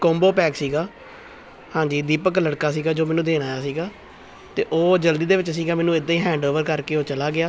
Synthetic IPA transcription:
kõːmboːpɛːksiːɡaː | hãːɲd͡ʒiːd̪iːpəkləɽkaːsiːɡaːd͡ʒoːmɛːnũːd̪eːnaːjaːsiːɡaː | t̪eːʔoːd͡ʒəld̪iːd̪eːʋɪt͡ʃsiːɡaːmɛːnũːɪd̪aːiːɦɛ̃ːɳɖoːʋəɾkəɾkeːoːt͡ʃəlaːɡɪaː

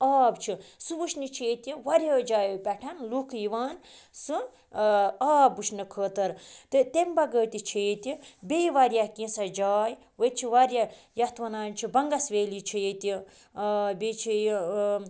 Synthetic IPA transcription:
aːbt͡ʃʰisɨʋut͡ʃʰnit͡ʃʰeːt̪ʲiʋɐɾʲjɐːd͡ʒaːjopʲɛʈʰɐnlukʰjiʋaːnsɨ | aːbut͡ʃʰnɨkʰəːt̪ɐɾt̪ɨt̪embɐɡəːt̪it͡ʃʰet̪ibeiʋɐɾʲjakĩsɐd͡ʒaːj | ʋət͡ʃʰiʋaɾʲjɐ | jɐt̪ʰʋɐnaːnt͡ʃʰibɐŋɡɐsʋeːlit͡ʃʰijet̪i | bet͡ʃʰij

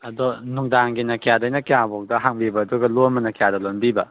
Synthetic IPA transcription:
ɐdɔnuŋdaŋɡinɐkijadɐjnɐkijabok̚dɐɦaŋbibɐːduɡɐlomɐnɐkijadɐlonbibɐ̰

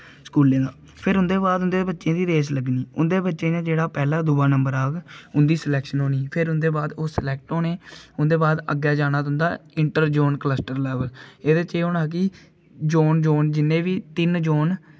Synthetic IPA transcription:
skuːlẽːd̪aː | pʰɪɾɦʊ̃nd̪eːbaːd̪ʊnd̪eːbətːʃẽːd̪iːd̪eːsləɡniːʊ̰nd̪eːbətːʃẽːd͡ʒãːd͡ʒeːɽaːpɛːlaːd̪ʊbaːnəmbəɾaːɡʊnd̪iːsəlɛːkʃənɦoːniːpʰɪɾʊnd̪eːbaːd̪oːslɛːk̚ʈoːnẽːʊnd̪eːbaːd̪ə̰ɡaːd͡ʒaːnaːt̪ʊ̃nd̪aːɪɳʈəɾd͡ʒoːnkləsʈəɾlɛːʋəleːd̪eːt͡ʃeːɦoːnaːk̬iː | d͡ʒoːnd͡ʒoːnd͡ʒɪnːẽːʋiːt̪ɪnd͡ʒoːn

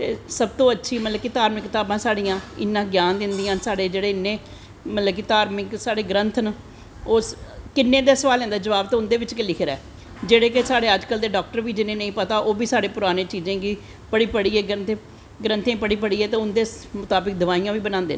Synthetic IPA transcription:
t̪ḛːsəb̚t̪õːətːʃʰiːmət̪ləbkit̪aːɾmɪkːt̪aːbãːsaːɽijãːɪ̰nːãːɡjaːnd̪ɪnd̪ijãːnsaːɽeːd͡ʒeːɽeːɪnːẽː | mət̪ləbkiːt̪aːɾmɪksaːɽeːɡɾə̃nt̪ʰn | oːskɪnːeːd̪eːsəʋaːlɛ̃ːnd̪aːd͡ʒəʋaːb̚t̪oːʊnd̪eːʋɪt͡ʃkelikʰːɾɛ̰ː | d͡ʒeːɽeːkesaːɽeːəd͡ʒkəld̪eːɖɔːk̚ʈəɾʋiːd͡ʒɪnːẽːnəĩːpət̪aːʔoːbiːsaːɽeːpʊɾaːnẽːt͡ʃiːzẽːɡiː | pəɽiːpəɽiːeːɡənt̪e | ɡɾə̃nt̪ʰẽːpəɽiːpəɽiːeːt̪eːʊnd̪eːmʊt̪aːbɪk̚d̪əʋaːijãːʋiːbənãːnd̪ḛːnː

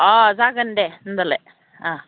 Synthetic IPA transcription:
aːzaːɡɐɳɖend̪ɐle | aː

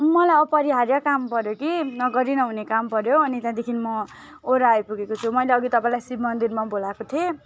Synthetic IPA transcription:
mʌlajʌpʌɾiɦaɾjakampʌɾjokinʌɡʌɾinʌɦunekampʌɾjoʌnit̪jãd̪ekʰinmʌ | oɾaːjpuɡekot͡sʰumʌjleʌɡit̪ʌpãĩlajsibmʌnd̪irmabolakot̪ʰie

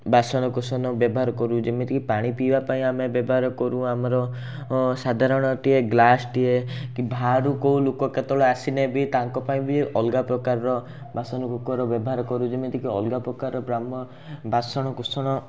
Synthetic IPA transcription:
basɔñɔkusɔnɔbjɔbɔɦaɾɔkɔɾũd͡ʒemet̪ikipaɽ̃ipibapaĩamebjɔbɔɦaɾɔkɔɾũamɔɾɔ | sad̪ʱaɾɔɽ̃ɔʈieɡlasʈiekibʱaɾukoulokɔket̪ɔɭɔasinebit̪aŋkɔpaĩbiʔɔlɡapɾɔkaɾɔɾɔ | basɔnɔkukɔɾɔbjɔbɔɦaɾɔkɔɾud͡ʒemit̪ikiɔlɡapɾɔkaɾɔɾɔbɾamɔ | basɔɽ̃ɔkusɔɽ̃ɔ

